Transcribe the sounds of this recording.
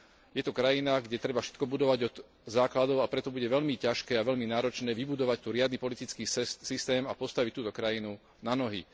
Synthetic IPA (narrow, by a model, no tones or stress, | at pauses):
jɛt̪ukɾajinaɡɟɛt̪ɾɛbafʃɛ̥t̪kɔbud̪ɔʋaɟɔd̪ | zaːklad̪ɔʊapɾɛt̪ɔbuɟɛʋɛʎmicaʃkɛːaʋɛʎminaːɾɔt͡ʃnɛːʋibud̪ɔʋac̚t̪uɾɪad̪nipɔlit̪it͡skiːsist̪ɛːmapɔst̪aʋict̪uːt̪ɔkɾajinu | nanɔɦḭ